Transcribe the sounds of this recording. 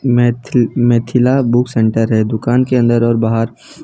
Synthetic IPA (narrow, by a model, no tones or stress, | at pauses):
mɛːt̪ʰɪlabʊksẽɳʈəɾɦɛd̪ʊkaːnkeə̃nd̪əɾɔːɾbaːɦəɾ